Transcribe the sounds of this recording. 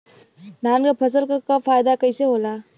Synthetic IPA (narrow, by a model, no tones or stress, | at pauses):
nanɡɐpʰɐz̬ɐlkakapʰajdakəjsehola